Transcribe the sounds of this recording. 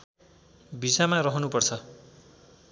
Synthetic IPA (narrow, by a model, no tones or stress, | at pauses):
bisamarʌɦʌnupʌrt͡sʰʌ